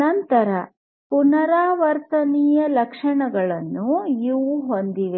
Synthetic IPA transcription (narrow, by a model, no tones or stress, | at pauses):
ɐnt̪ɐɾɐ | punɐɾaːʋɐɾt̪ɐniːjɐlɐkʂɐɳɐɡɐɭɐnːuiʋuɦond̪iʋe